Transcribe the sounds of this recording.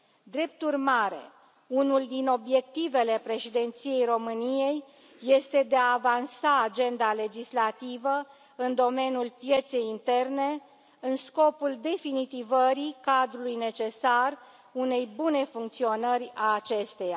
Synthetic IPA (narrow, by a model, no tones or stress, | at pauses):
d̪ɾe̞p̚t̪urmaɾe̞̰ | unuld̪ino̞bje̞k̚t̪ive̞le̞pɾe̞ʃid̪e̞nt̪sije̞jro̞mɨnije̞jː | e̞st̪e̞d̪eaːvansaːd͡ʒe̞nd̪ale̞d͡ʒislat̪ivə | ɨnd̪o̞me̞nʲjulpje̞t̪se̞jint̪e̞rne̞ | ɨnsko̞puld̪e̞finit̪ivəɾikad̪ɾulujne̞t͡ʃe̞sar | une̞jbune̞fuŋkt̪sio̞nərʲaːt͡ʃe̞st̪e̞ja